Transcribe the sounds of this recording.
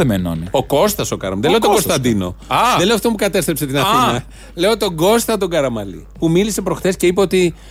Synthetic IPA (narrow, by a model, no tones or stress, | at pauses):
emenonio̞ko̞st̪ɐso̞kɐ̰ɾɐ̰mðelet̪okost̪ɐnd̪ino̞̰ɐðeleoaft̪ompukɐt̪e̞st̪ɾepse̞t̪inɐθinɐ | le̞ot̪o̞ɡo̞st̪ɐt̪o̞ɡɐɾɐmɐlḭpumilise̞pɾo̞xθe̞sce̞ipeo̞t̪i